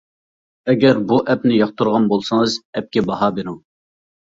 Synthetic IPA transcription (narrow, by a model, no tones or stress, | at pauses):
ɛɡʲɛɾbuʔɛpnɪjɑχt̪uɾʁɑnbolˠsɨŋɨzɛp̚kʲɛbɑɦɑbeɾuŋ